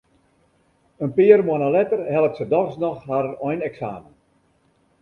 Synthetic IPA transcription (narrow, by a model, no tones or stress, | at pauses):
ənpɪːərmoənalɛtərhɛlˠəp̚tsədɔrsnɔxharɔjnɛksaːmən